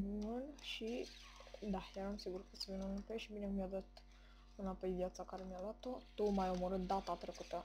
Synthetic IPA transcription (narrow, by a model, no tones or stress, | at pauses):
mənʃi | d̪ahaɾamsiɡuɾkəsəvenunupeʃibinekmijad̪at̪ | ənapəjivjat̪t͡sakaɾemijalat̪ot̪omajoməɾət̪̚d̪at̪at̪ɾəkət̪ə